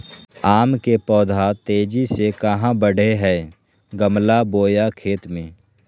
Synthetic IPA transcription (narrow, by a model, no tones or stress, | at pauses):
aːmkepɔːd̪ʱat̪eːd͡ʒisekəɦãbəɽ̤ʱeɦɛː | ɡəmlaboːjakʰeːt̪mẽː